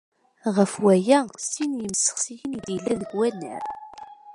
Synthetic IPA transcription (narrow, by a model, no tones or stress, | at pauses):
ʁəfwæjæsinjəmsə̥χsijənid̪jəlːæðəɡwænːə̰ɾ